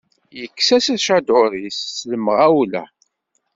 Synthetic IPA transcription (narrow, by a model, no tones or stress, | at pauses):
jəkːsæsæʃad̪oɾisːləməʁæwlæ̰